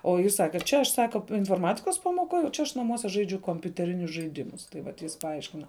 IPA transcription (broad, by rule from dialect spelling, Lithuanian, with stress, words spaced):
oː ˈjɪs ˈsɑːkʲɛ ˈt͡ʃʲɛ ɐʃ ˈsɑːkɐ ɪnfoːrˈmɑːtʲɪkoːs pɐmoːˈkoːj oː ˈt͡ʃʲɛ ɐʃ nɐˈmuɔsʲɛ ˈʒɐɪd͡ʒʲʊ koːmʲpʲʊtʲɛˈrʲɪnʲʊs ʒɐɪˈdʲɪmʊs ˈtɐɪ ʋɐt ˈjɪs pɐˈɐɪʃʲkʲɪnɐ